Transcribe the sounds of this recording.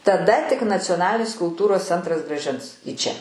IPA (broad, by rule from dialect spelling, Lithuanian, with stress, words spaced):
tɐˈdɐ tʲɪk nɐt͡sʲoːˈnɑːlʲɪnʲɪs kʊlˠˈtuːroːs ˈt͡sʲɛntrɐs ɡrɑːˈʒʲɪns iː ˈt͡ʃʲɛ